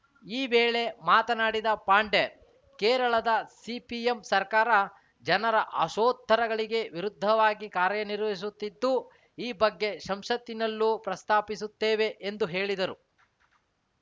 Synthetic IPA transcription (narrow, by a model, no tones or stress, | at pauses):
iːʋeːɭe̞maːt̪ɐnaːɽid̪ɐpaːɳɖe | kɛːɾɐɭɐd̪ɐsipiemsɐɾkaːɾɐ | d͡ʒɐnɐɾɐʔɐ̰ʃoːt̪ːɐɾɐɡɐɭiɡe̞ʋiɾud̪ʱːɐʋaːɡikaːɾjɐniɾʋɐis̬ut̪ːid̪ːu | iːbɐɡːe̞ʃɐmʃɐt̪inɐlːupɾɐst̪ʰaːpisut̪ːeːʋe̞ʔend̪uɦe̞ːɭid̪ɐɾu